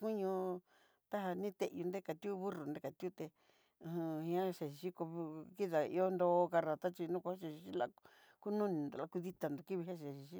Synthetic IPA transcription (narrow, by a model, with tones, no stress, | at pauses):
ku˦ɲũ˧ | t̪a˦ɦa˧nĩ˦t̪e˧ʔju˧nd̪e˦ka˧t̪i˦u˦βu˦ru˨nd̪e˦˧ka˨t̪ʲu˦t̪ẽ˧ | hĩ˧ã˦ʃe˨ʃi˨ʃi˦ko˧βki˦ða˨ḭ˧o˦nd̪oː˧ka˧ɾa˨t̪a˦t͡ʃi˧nũ˦kʷa˧˦ʃe˧ʃi˧ʃi˦la̰˧ | ku˦nũ˦nĩ˧˨nd̪o̰˨˧la˧ku˧ði˦t̪a˨nd̪o˨ki˦βi˧ɦa˦ʃe˨ʃi˨˧ʃi˦